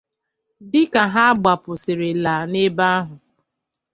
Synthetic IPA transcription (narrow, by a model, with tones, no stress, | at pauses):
dɪ˦ka˨ɦa˦a˦ɡ͡ba˨pʊ˨sɪ˨ɾɪ˨la˨ne˦ba˦a˦ɦʊ˨